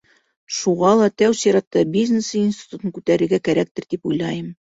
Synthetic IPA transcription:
ʃuʁɑlˠɑt̪æwsiɾɑt̪ːɑbʲizʲnʲesinsʲt̪ʲi̥t̪ut̪ɤŋkʉt̪æɾɘ̆ɾɡækæɾæk̚t̪ɘ̆ɾd̪ipujlˠɑjɤm

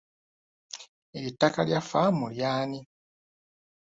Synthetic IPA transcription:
eɾitːakaljafamuljaːni

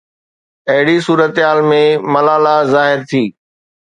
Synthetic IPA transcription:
ɐɦɪɽisuːɾət̪ɦaːlmẽmɐlaːlazaːɦɪɾt̪ʰiː

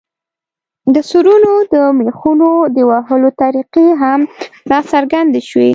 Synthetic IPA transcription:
d̪əsuɾunod̪əmexunod̪əwaɦəlot̪aɾiqeɦamlɑsaɾɡand̪eʃwe

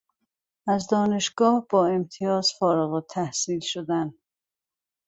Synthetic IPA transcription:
æzd̪ɒːne̞ʃɡ̥ɒːhb̥ɒːe̞mt̪ʰijɒːzfɒːɾeɣot̪ʰːæhsiːlʃod̪æn

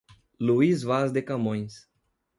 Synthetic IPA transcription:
luizvazd̪ekamõj̃s

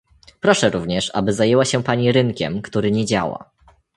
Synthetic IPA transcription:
pɾɔʂɛɾuvɲɛʂa̰bɘzajɛwaɕɛpaɲiɾɘŋkʲɛ̰mkt̪uɾɘɲɛd͡ʑa̰wa̰

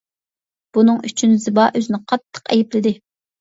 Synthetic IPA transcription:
b̥unɨŋyt͡ʃʰynzɪbɑʔøzɪnɪqʰɑt̪ʰːə̥qɛjiplɪd̪ɪ

